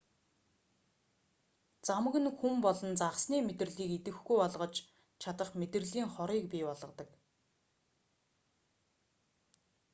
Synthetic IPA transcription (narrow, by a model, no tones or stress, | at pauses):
t͡samə̆ɣɘ̆nxumpɔɮɞ̆nt͡saʁsniːmet̪ɘ̆rɮiːket̪ɘ̆xɡujɔɮʁɞ̆t͡ɕ | t͡ɕʰat̪ə̆χmet̪ɘ̆rɮiːŋχɔɾiːk̚pʲiːpɔɮʁɞ̆t̪ə̆k